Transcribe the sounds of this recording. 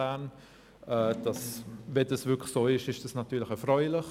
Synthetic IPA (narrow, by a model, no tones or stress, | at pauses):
aːn | ɛːd̥ɑsvɛdɑsvʏkʰlsoːɪʃɪʃd̥ɑsnɑtːyːləχɛfʁœʏlɪχ